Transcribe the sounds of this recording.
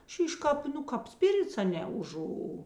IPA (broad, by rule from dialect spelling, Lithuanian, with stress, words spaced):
ˈʃʲiːʃ ˈkɑːp ˈnʊ ˈkɑːp ˈsʲpʲɪrʲɪts ɐˈnʲɛ ʊˈʒʊ